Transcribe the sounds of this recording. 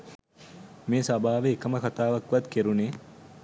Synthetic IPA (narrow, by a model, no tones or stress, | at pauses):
meːsabaːʋeːkəməkat̪aːʋakʋat̪keɾuneː